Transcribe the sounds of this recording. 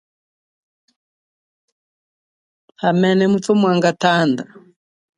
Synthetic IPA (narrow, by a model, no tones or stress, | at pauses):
hamɛnɛmutumwaŋɡatanda